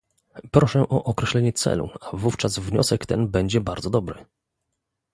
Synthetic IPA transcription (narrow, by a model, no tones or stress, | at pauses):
pɾɔʂɛʔɔʔɔkɾɛɕlɛɲɛt̪sɛ̰lṵavuft͡ʂazvɲɔ̰sɛkt̪ɛnbɛɲd͡ʑɛbaɾd̪zɔd̪ɔbɾɘ